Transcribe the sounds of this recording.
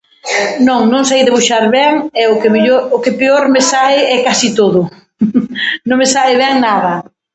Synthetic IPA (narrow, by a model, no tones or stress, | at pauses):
nõŋnõŋsajðɪβuʃaɾβɛŋɛʊkemeʎoɾʊkepeoɾmesaɪɛkasit̪oðʊ | nõŋmesaɪβɛŋnaðɐ